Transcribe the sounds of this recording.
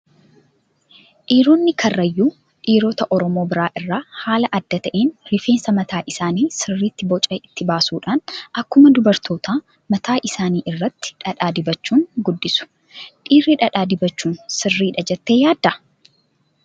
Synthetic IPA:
ᶑiːɾoːnːɪkʰɐrːɐjːuː | ᶑiːɾoːt̪ɐʔɔɾɔmo̞ːbɪɾaːʔɪrːaːhaːlɐʔɐd̪ːɐt̪ɐʔeːnɾɪfe̞ːnsɐmɐt̪aːʔɪsaːniːsɪrːiːt̪ːɪbɔt͡ʃʼɐɪt̪ːɪbaːsuːᶑaːnɐkːʊmɐd̪ʊbɐɾt̪ʰo̞ːt̪aː | mɐt̪aːʔɪsaːniːʔɪrːɐt̪ːɪ̥ᶑɐᶑaːd̪ɪbɐt͡ʃːuːŋɡʊd̪ːɪsʊ̥ | ᶑiːrːiᶑɐᶑaːd̪ɪbɐt͡ʃːuːnsɪrːiːᶑɐd͡ʒɛt̪ːe̞ːjaːd̪ːɐ

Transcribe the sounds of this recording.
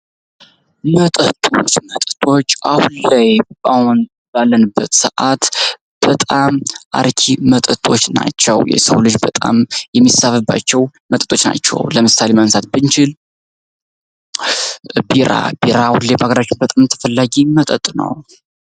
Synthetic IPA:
mət̪ʼət̪ʼot͡ʃːmət̪ʼət̪ʼo̞t͡ʃːʔahunlajbahun | balːənɨbːət̪səʔat̪ | b̥ət̪ʼamʔa̰ɾkʰimət̪ʼət̪ʼo̞t͡ʃːna̰t͡ʃːɛwjɛ̰səwlɨd͡ʒbət̪ʼa̰mjɛmːisafɨbːa̰t͡ʃːɛwmət̪ʼə̥t̪ʼo̞t͡ʃna̰t͡ʃːɛ̰wləmɨsalemənsat̪̚bɨnt͡ʃɪl | biɾa̰biɾawulebəhaɡəɾat͡ʃːɪnbət̪ʼamt̪ʰːə̥fəlːaɡimət̪ʼət̪ʼnə̰w

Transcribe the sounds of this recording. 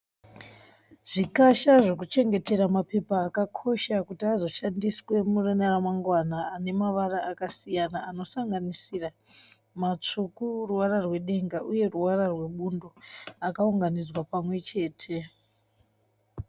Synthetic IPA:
ʐ̥ikaʃaʐo̞kut͡ʃe̞ŋɡe̞te̞ɾamape̞paːkakʰo̞ʃakutiazo̞ʃandiswe̞murenaramaŋɡwanaːne̞maʋaraakasijanaːno̞saŋɡanisira | mat͡ʂukuruwaɾarwe̞ɗe̞ŋɡaʔuje̞ruwararwe̞ɓundoakauŋɡanid͡zwapamwe̞t͡ʃe̞ːtʰe̞

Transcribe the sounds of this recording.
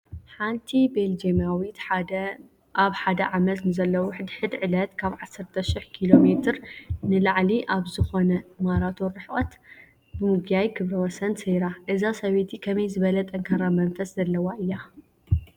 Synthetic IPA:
ħant̪ʰibeld͡ʒemawit̪ | ʔaβħad̪ɐʕamɐt̪nɨzɐlːɐwʊħd̪ħɨd̪ʕɨlɐt̪kʰaβʕasːɐɾt̪ʰɐʃɪħkʰilo̞met̪ʰɨɾnɨlaʕliʔaβzɨxo̞nɐmaɾat̪ʰo̞ɾːɨħʔʼɐt̪ | bɨmɨɡjajɡʰɨβɾɐwɔsɐnsejɾaʔɨzasɐβet̪ʰikʰɐmɐjzɨβɐlɐt̪ʼɐŋkʰɐɾamɐnfɐszɐlːɐwaʔɨjːa

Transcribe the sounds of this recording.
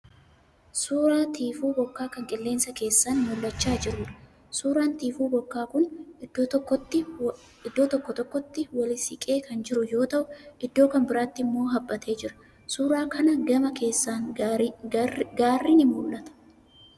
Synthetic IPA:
suːɾaːt̪ʰiːfuːbɔkːaːkɐŋkʼɪlːe̞ːnsɐke̞ːsːaːnmʊlːɐt͡ʃːaːd͡ʒɪɾuːᶑɐ̥ | suːɾaːnt̪iːfuːbɔkːaːkʊnd̪ːɔt̪ːɪ | ɪd̪ːoːt̪ɔkːɔt̪ɔkːɔt̪ːɪwɐlɪsɪkʼe̞ːkɐnd͡ʒɪɾʊjo̞ːt̪ɐʔʊʔɪd̪ːo̞ːkɐmbɪɾaːt̪ːɪɪmːo̞ːɦɐbːɐt̪e̞ːd͡ʒɪɾɐ̥ | suːɾaːkɐnɐɡɐmɐkʰe̞ːsːaːŋ | ɡaːrːinɪmʊlʔɐt̪ɐ̥

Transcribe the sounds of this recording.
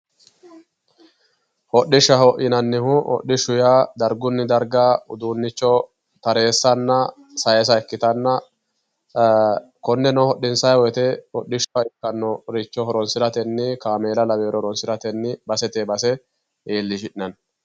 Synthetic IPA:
hɔɗɪʃːɐhɔʔɪnɐnːɪhʊʔɔ̰ɗːɪʃʊjaːd̪ɐɾɡʊnːɪd̪ɐɾɡaːʊd̪uːnːɪt͡ʃːɔ | t̪ɐɾe̞ːsːɐnːɐ | sɐjɛs̬ɐɛkːɪt̪ɐnːɐ | kɔnːɛnɔhɔɗːɪnsɐjɔjt̪ɛhɔɗːɪʃɐɪkːɐnːɔɾɪt͡ʃːɔhɔɾɔnsɪɾɐt̪ɛnːɪkaːme̞ːlɐlɐbeːɾɔɾɔnsɪɾɐt̪ɛnːɪbɐsɛt̪eːbɐsɛ | ʔeːlːɪʃɪᶑɪnɐn

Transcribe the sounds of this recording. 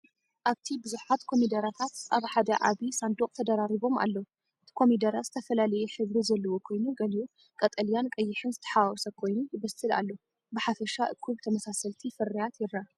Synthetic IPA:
ʔaβt̪ʰibɨzuħat̪kʰo̞mid̪ɐɾat̪ʰat̪ʔaβħad̪ɐʕa̰βisand̪okʼt̪ʰɐd̪ɐɾaɾiβo̞ma̰lːɐw | ɨt̪ʰi̥kʰo̞mid̪ɐɾat̪zɨt̪ʰɐfɐlalɐjɛħɨβɾizɐlːɐwo̞kʰo̞jnuɡɐliju | kʼɐt̪ʼɐljankʼɐjːɪħɨnzɨt̪ʰɐ̥ħawɔsɐkʰo̞jnujɪβɐsɨla̰lːo | bɨħafɐʃaʔɨ̰kʰːuβt̪ʰɐmɐsasɐlt̪ʰifɨrijat̪jɪɾa

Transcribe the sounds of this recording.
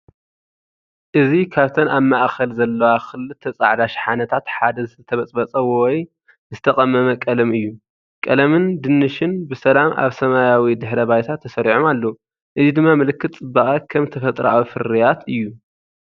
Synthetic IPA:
ʔɨzikʰaβt̪ʰɐnaβmaʔxɐlzɐlːɐwaxɨlːɨt̪ʰːɐt͡sʼa̰ʕd̪aʃħanɐt̪ʰat̪ħad̪ɐzɨt̪ɨt̪ʰɐβɐt͡sʼbɐt͡sʼɐwɔwɔj | zɨt̪ʰɐχʼɐmːɐmɐkʼɐlɐmɨjːu | kʼɐlɐmɨnd̪ɨnːɨʃɪnbɨsɐlamʔa̰βsɐmajawid̪ɨħɾɐbajt̪ʰat̪ʰːɐsɐɾiʕomalːou | ʔɨzid̪ɨmːamɨlɨkːɨt̪ʼɨbaʔʼakʰɐmt̪ʰɐfɐt̪ʼɾɐʔawfɨɾijat̪ɨjːu

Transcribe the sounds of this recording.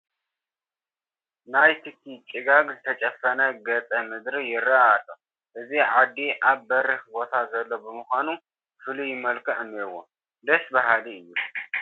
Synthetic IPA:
najt̪ʰɨkʰːit͡ʃʼɪɡaɡzɨt̪ʰɐt͡ʃʼɐfːɐnɐɡɐt͡sʼɐmɨd̪ɾijɪrːaat̪ʼo | ʔɨziʕad̪ːiʔaβbɐɾɨhbo̞t̪ʰazɐlːobɨmɨxʷanu | fɨlujɪmɐlkʰɨʔɨnːewo̰ | d̪ɐsbaɦaliɨjːu

